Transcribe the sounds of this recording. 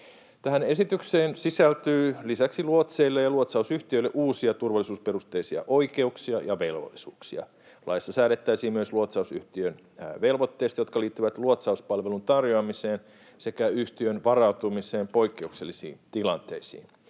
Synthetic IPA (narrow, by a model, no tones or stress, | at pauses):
t̪æɦæne̞sit̪ykseːnsisælt̪yːlisæksiluot̪seilːejɑluot̪sɑusyht̪iøilːeʔuːsiɑt̪urʋɑlisuːspe̞rust̪ːeisiɑ̰ʔo̞ike̞uksiɑjɑʋelʋo̰lːisṵːksiɑ̰ | lɑjsːɑsæːɾet̪ːæisiːmyøsluot̪sɑusy̰ht̪iøn | ʋelʋot̪ːeːst̪ɑjo̞t̪kɑliːt̪ːyʋæt̪luot̪sɑuspɑlʋelunt̪ɑrjoɑmiseːn | sekæyht̪iønʋɑrɑut̪umiseːmpo̞ikːeukselːisḭːnt̪ilɑnt̪ḛisḭːn